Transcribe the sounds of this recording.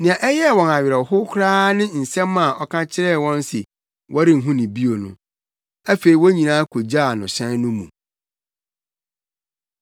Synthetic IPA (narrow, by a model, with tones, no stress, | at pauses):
nɪ̃˨ã˨ʔɛ˦jɛ˦˨wɔ̃˨na˨ɥɪ˨ɾɛ˨hʊ˦kʰʊ˦ɾaː˦nɪ̃˦n̩˨sɛ̃˦mːã˨ʔɔ˨kʰã˦t͡ɕʰɪ˦ɾɛ˦˨wɔ̃˦n˦sɪ˨ | wʔɔ˦ɾɪ̃˦˨n̩˨ɦũ˦nɪ̃˨bi˦o˨nʊ̰̃˨ | æ˦fe˨i˨wɔ˦ɲĩ˨nãː˦kʰo˨d͡ʑa˦˨nʊ̃˨ɕɛ̃˦n˦nʊ̃˦mũ˨